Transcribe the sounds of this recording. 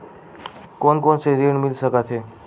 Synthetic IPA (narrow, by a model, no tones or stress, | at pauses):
koːnkoːnseɾiɳmɪlsəkat̪ʰeː